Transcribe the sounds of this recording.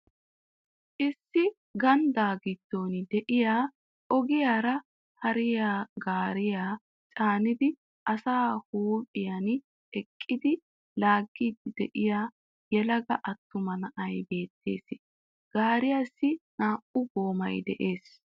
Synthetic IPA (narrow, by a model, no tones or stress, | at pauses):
ʔɪsːɪ | ɡɐnd̪aːɡɪd̪̥ːo̞ːnɪd̪ɛʔɪjaː | ʔɔɡɪjaːɾɐ | hɐɾɪjaːɡaːɾɪjaː | t͡ʃʼaːnɪd̪ɪ | ʔɐsaːhuːpʼɪjɐn | ɛkʼːɪd̪ɪ | laːɡːiːd̪ːɪd̪ɛʔɪjaː | jɛlɐɡɐʔɐt̪ːʊmɐnɐʔɐjbe̞ːt̪ʰːḛːsɪ | ɡ̥aːɾɪjasːɪnaːʔʊboːmɐjd̪ɛ̰ʔe̞ːs